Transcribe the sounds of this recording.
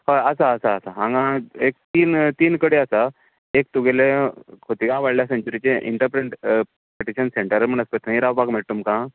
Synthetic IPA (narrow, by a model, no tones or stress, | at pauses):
ɦaəsaːsaːsaɦãŋɡãek̚t̪iːnt̪iːnkəɽeasa | ek̚t̪uɡelẽkʰot̪ikãʋaɽljasẽɲt͡ɕuɾit͡ɕẽʔḭɳʈəɾpɾeɳʈpeʈiɕənseɳʈəɾm̤əɳəspət̪ʰə̃ĩɾaʋpakmeɭt̪umkã